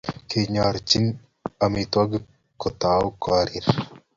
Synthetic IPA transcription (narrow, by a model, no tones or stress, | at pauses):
kʰeɲaɾt͡ʃin | ɐmit̪waɡ | kɔt̪awkaɾiɾ